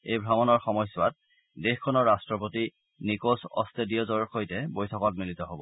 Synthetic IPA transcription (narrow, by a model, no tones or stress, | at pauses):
ejbʱɹamɔnɔɹxɔmɔjsːʊwat̚ | dexkʰːɔnɔɹɹastɹɔp̬oti | nikosɔ̰stediɔzɔɹxojtɛbojtʰɔkɔtmilitɔɦobɔ̰